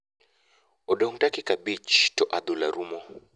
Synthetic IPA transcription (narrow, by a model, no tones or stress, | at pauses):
ɔdɔŋdakɪkabit͡ʃtɔʔad̪ulaɾumɔ